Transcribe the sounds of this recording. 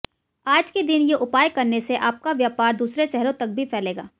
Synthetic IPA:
aːd͡ʒkid̪ɪnjeʔʊpaːjkɐɾneseʔaːp̚kaʋjaːpaːɾd̪uːsɾeʃɛɦɾõt̪ɐk̚bʱifʰɛːleːɡa̰ː

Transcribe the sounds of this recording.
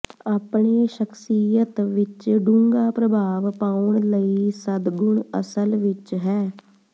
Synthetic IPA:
aːpɳeːʃəkʰsijət̪ʋɪt͡ʃɖũŋɡaːpɾəbʱaːʋpaːʊɳləiːsəd̪ɡʊɳə̰səlʋɪt͡ʃɦɛː

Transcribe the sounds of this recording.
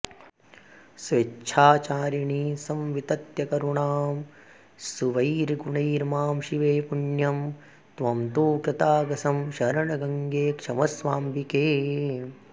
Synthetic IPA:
sʋetːʃʰaːt͡ʃaːɾɐɳiːsɐmʋit̪ɐt̪jɐkɐɾuɳaːm | suʋɐiɾɡuɳɐiɾmaːmʃiʋeːpuɳjɐm | t̪ʋɐmt̪uːkɾɐt̪aːɡɐsɐmʃɐɾɐɳɐɡɐŋɡeːkʂɐmɐsʋaːmbikeː

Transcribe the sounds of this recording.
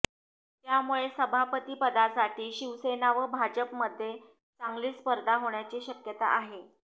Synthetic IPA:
t̪jamuɭesəbʱapət̪iːpəd̪asaʈʰiːɕiʋsenaʋəbʱad͡ʑəpməd̪ʱːje | t͡saŋɡliːspəɾd̪ʱaɦoɳjat͡ɕiːɕəkjət̪a̰ʔaɦe

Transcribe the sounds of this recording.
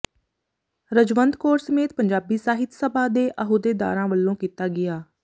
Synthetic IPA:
ɾəd͡ʒʋənd̪koːɾsəmeːt̪̚pəɲd͡ʒaːbiːsaːɦɪt̪səbaːd̪eːʔəɦoːd̪eːd̪a̰ːɾãːʋəlːõːkiːt̪aːɡɪjaː

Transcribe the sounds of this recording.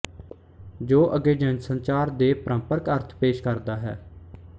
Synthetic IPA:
d͡ʒoːʔəɡeːd͡ʒɛ̃nd͡ʒsənt͡ʃaːɾd̪eːpəɾəmpəɾkəɾt̪ʰpeːʃkəɾd̪aːɦɛ̰ː

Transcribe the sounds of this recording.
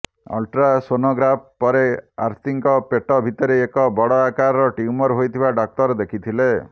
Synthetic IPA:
ɔ̰lʈɾasonoɡɾap̚ʰpɔɾeaɾt̪iŋkɔpeʈɔbʱit̪ɔɾeːkɔbɔɽɔakaɾɔɾɔʈiumɔɾɦojt̪ʰibaɖɔk̚t̪ɔɾd̪ekʰit̪ʰile

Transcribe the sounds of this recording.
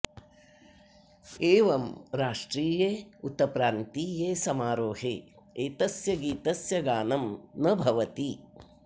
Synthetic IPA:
eːʋɐmɾaːʂʈɾiːjeːut̪ɐpɾaːnt̪iːjeːsɐmaːɾoːɦḛː | eːt̪ɐsjɐɡiːt̪ɐsjɐɡaːnɐmnɐbʱɐʋɐt̪i

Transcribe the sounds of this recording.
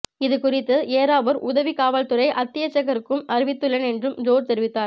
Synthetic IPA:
ɪðɯkʊrɪt̪ːɯʔeːɾaːʋɐɾʊðɐʋikaːʋɐlt̪ɯɾɐɪʔɐt̪ːɪjɐt͡ʃːɐɣɐɾɯkːɯmɐɾɪʋɪt̪ːɯɭːɐnɛndrɯmd͡ʒoːɾt̪ɛɾɪʋɪt̪ːaːɾ

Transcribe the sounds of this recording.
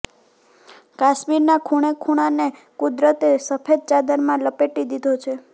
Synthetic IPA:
kaʃmiɾnakʰuɽ̃ekʰuɽ̃ane | kud̪ɾət̪esəpʰed̪̚t͡ʃad̪əɾmãləpeʈid̪id̪ʱot͡ʃʰe

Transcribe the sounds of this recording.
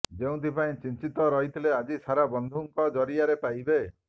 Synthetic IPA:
d͡ʒeũt̪ʰipaĩt͡ʃint͡ʃit̪ɔɾɔɦit̪ʰilead͡ʒisaɾabɔnd̪ʱuŋkɔd͡ʒɔɾiaɾepajbe

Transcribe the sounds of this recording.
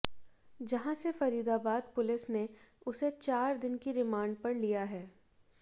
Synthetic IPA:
d͡ʒɐɦãsefɐɾiːd̪abaːd̪̚pʊlɪsneʊset͡ʃaːɾd̪ɪnkiɾɪmãːɳɖ̚pɐɾlijaɦɛː

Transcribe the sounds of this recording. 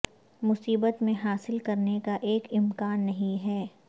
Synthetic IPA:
mʊsiːbət̪mẽɦaːsɪlkɐɾnekaʔeːkɪmkaːnːɐɦĩɦɛː

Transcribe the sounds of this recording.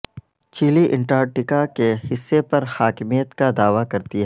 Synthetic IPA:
t͡ʃiːliʔɪ̃ɳʈaːɾʈɪkakehɪsːepɐɾhaːkmijət̪kad̪aːʋakɐɾt̪iɦɛ

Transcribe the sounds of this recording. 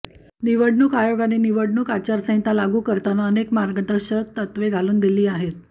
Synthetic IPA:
niʋəɽɳuːkajoɡaneniʋəɽɳuːkat͡ɕaɾsə̃ɦt̪alaɡuːkəɾt̪anaənekmaɾɡəd̪əɕət̪ːət̪ʋeɡʱaluːnd̪iliːaɦet̪

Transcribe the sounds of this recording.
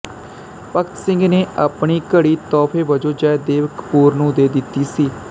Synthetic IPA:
pəkʰt̪sɪ̃ŋɡneːʔaːpɳiːkəɽiːt̪ɔːpʰeːʋəd͡ʒoːd͡ʒaːd̪eːʋəkpuːɾnũːd̪eːd̪ɪt̪ːiːsiː

